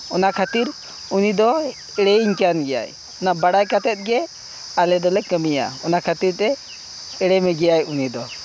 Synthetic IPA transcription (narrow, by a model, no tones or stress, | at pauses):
ɔnakʰat̪iɾ | unid̪ɔ | ɛɽɛiɲkanɡɛja̰j | ɔnabaɽajkat̪ɛt̪̚ɡɛ | alɛd̪ɔlɛkəmija̰ɔnakʰat̪iɾt̪ɛ | ɛɽɛmɛɡɛjajunid̪ɔ